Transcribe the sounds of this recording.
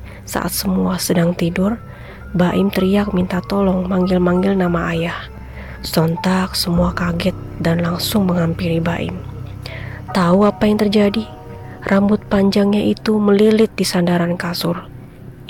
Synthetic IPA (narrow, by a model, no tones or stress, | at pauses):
sa̰ʔa̰t̪səmuasədaŋt̪idʊr | baʔɪmt̪əɾijak̚mint̪at̪ɔlɔŋmaŋɡɪlmaŋɡɪlnamaʔajah | sɔnt̪ak̚səmuakaɡɛt̪̚danlaŋsʊŋməŋɦampiɾibaʔɪ̰m | t̪auapajaŋt̪ərd͡ʒadi | rʔambʊt̪̚paɲd͡ʒaŋɲaʔit̪uməlilɪt̪̚disandaɾankasʊr